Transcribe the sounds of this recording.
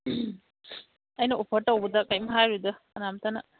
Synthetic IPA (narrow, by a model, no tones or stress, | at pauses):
ajnɐopʰəɾtawbədakajmɦaɾudɐːnamtana